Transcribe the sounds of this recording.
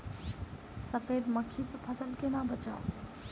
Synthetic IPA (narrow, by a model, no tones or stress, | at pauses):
səpʰed̪məkʰːisə̃pʰəsəlkenabət͡ʃa̰ʊ